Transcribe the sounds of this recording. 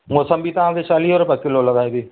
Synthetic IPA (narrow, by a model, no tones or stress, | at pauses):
mosəmbʱiːt̪ɐɦãːkʰet͡ʃaːliːɦɔːɾʊpəkːɪloləɡaːid̪iː